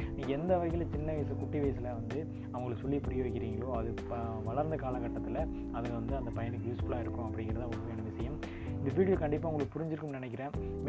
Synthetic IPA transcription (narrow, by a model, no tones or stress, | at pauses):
niːŋɡɐɛnd̪ɐʋɐɪɣɪlɐt͡ʃɪnːɐʋɐjs̬ɐkʊʈːiʋɐjsɐlɐʋɐnd̪ɯ | ɐʋɐŋɡɐɭɯkːsɔlːipʊɾɪjɐʋɐɪkːɪɾiːŋɡɐɭoːɐðɯ | ʋɐɭɐɾnd̪ɐkaːlɐkɐʈːɐt̪ːɪlɐ | ɐðɯʋɐnd̪ɯɐnd̪ɐpɐjɐnɯkːjuːsfʊlaːɪɾɯkːʊ̃ɐpːɐɽɪŋɡɪɾɐðãɐʋɐkːɐɛnːɐʋɪʂɐjɐm | ɪnd̪ɐʋiːʈːɯlkɐɳɖɪpːaːʊŋɡɐɭɯkːɯpʊɾɪɲd͡ʒɪɾɯkːɯmnɪnɛk̬ːɪɾẽː | m